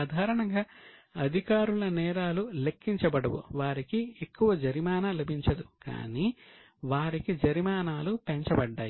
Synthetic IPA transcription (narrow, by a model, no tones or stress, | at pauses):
aːd̪ʱaːɾɐɳɐŋɡaː | ɐd̪ʱikaːɾulɐnɛːɾaːlule̞kːiɲt͡ʃɐbɐɽɐʋṵʋaːɾikiekːuʋɐd͡ʒɐɾimaːnalɐbʱiɲt͡ʃɐd̪uka̰ːniː | ʋaːɾikid͡ʒɐɾmaːnaːlupeɲt͡ʃɐbɐɖːa̰ːji